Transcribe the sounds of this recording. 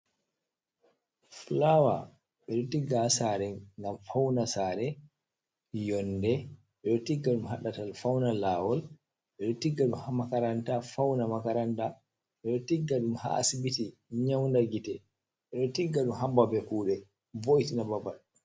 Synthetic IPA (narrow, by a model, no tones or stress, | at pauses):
flawa̰ | ɓɛɗɔtiɡasaɾɛŋɡamfawnasaːɾɛ | jɔndɛ | ɓɛɗɔtiɡːaɗumɦaɗatalfawnalaːwɔl | ɓɛɗɔtiɡːaɗumhamakaɾantafawnamakaɾanta | ɓɛɗɔtiɡːaɗumha̰a̰sibitiɲawndaɡitɛ | ɓɛɗɔtiɡːaɗumɦambabɛkuːɗɛ | voʔitinababaɗu